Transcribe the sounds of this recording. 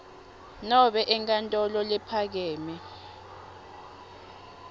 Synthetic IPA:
nɔɓɛʔɛŋkʼantʼɔlɔlɛpʰak̬ɛːmɛ

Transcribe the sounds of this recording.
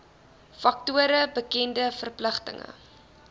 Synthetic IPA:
fɐk̚tuəɾəbəkɛndəfərpləχtə̰ŋə̰

